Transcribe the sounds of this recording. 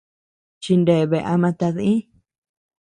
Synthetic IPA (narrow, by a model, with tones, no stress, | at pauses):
t͡ʃi˧nde˨βe˧˨ʔa˧mã˧t̪a˧ðĩ˦